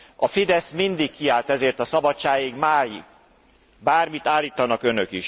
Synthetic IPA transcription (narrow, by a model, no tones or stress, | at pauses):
ɒfid̪ɛsmind̪ikːiaːlt̪ɛzeːrt̪ɒsɒbɒt͡ʃːaːjiɡmaːjḭɡ | baːrmit̪aːlːiːt̪ɒnɒkønøkiʃ